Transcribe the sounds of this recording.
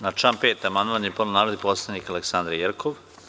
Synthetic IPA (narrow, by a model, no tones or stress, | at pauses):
nat͡ʃampeːt̪amand̪aɲiepononaːɾod̪iposlˠanikaleksand̪ɾjeɾkʰoʋ